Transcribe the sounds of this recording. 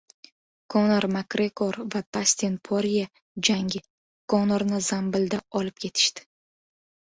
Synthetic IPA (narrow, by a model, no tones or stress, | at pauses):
kʰonaɾmakɾekoɾvat̪ʰasʲt̪enpʰoɾija | d͡ʒaŋɡʲɪ | kʰonaɾnɪzambɪld̪aɒlɪp̚kʲʰe̞t̪ʰɪ̥ʃt̪ɪ̥